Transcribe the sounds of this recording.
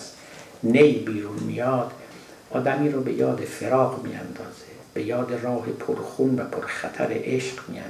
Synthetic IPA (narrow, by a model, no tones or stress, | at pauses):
s | nejbiːɾunmḭjɒːd̪ | ʔɒːd̪æmiːɾɔːbe̞jɒːd̪efeɾɒːqmḭːæ̰nd̪ɒːz̥e | b̥e̞jɒːd̪erɒːhepʰoɾxunvæpʰoɾxæt̪ʰæ̰ɾḛʔeʃqmḭæ̰